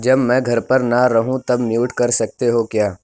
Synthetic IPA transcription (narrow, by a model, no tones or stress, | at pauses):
d͡ʒɐbmɛ̃ːɡʱɐɾpɐɾnaɾɐɦũt̪ɐbmjuːʈkɐɾsɐk̚t̪eɦokjaː